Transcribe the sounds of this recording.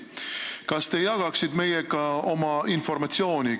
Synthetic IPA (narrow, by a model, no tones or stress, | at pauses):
kɑst̪e̞jɑɡ̥ɑksid̪me̞jekɑo̞mɑinfo̞ɾmɑt̪sio̞ːnʲi